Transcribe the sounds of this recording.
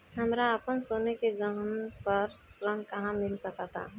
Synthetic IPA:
ɦəmɾaəpənsoːnekeɡəɦənpəɾsɾə̃ŋɡkɐɦãmɪlsəkat̪ʰa̰ː

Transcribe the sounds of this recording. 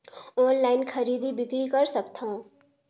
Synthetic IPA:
oːnlaːɪnkʰəɾiːd̪ibɪkɾikəɾsəkt̪ʰaõ

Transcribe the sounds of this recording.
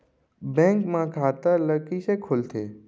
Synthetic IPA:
bɛ̃ːŋkmãkʰaːt̪ələɽkisekʰʊlt̪ʰeː

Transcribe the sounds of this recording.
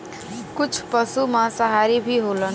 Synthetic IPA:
kʊt͡ʃʰpəsumãsəɦaːɾibʱiɦolən

